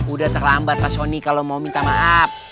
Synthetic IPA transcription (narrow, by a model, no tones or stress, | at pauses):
udaht̪ərlambat̪̚lasonikalomaumint̪amaɦap̚